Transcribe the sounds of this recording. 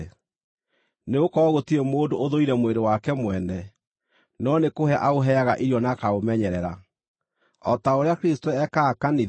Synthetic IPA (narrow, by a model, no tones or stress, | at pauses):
neokɔɣotiɾemoːndoʔːðoiɾɛmweɾewakɛmwɛnɛ | nɔnekoheaʔaoɦɛaɣaʔiɾjɔnakaɣomɛɲɛɾɛɾa | ɔtaoɾeakɾistoɛkaːkani